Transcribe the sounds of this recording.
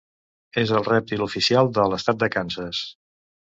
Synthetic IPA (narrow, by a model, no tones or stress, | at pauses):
ezəlˠrɛp̚t̪ilufisialˠd̪ələst̪at̪̚d̪əkansəs